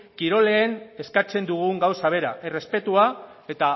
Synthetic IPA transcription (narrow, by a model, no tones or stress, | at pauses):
kiɾo̞le̞ːne̞skat͡se̞nd̪uɣ̞uŋɡawsaβ̞e̞ɾaʔere̞spe̞t̪ua | e̞t̪a